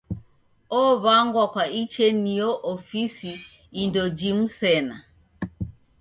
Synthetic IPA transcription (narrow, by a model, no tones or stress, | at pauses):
ɔβaŋɡwakwait͡ʃɛnijɔʔɔfisiː | ndɔd͡ʒim̩sɛna